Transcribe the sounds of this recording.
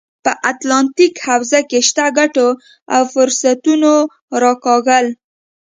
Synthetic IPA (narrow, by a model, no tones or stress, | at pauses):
pəʔat̪lɑnt̪ikhawzakeʃt̪aɡaʈo | a̰wfʊɾsat̪uno | ɾɑkɑɣəl